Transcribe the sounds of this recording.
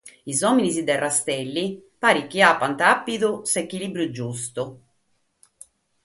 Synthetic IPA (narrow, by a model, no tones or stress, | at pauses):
izɔːminisid̪ɛrːast̪ɛlːipaːɾik̟ːiaːpːant̪apːid̪usekːilibɾjud͡ʒust̪ʊ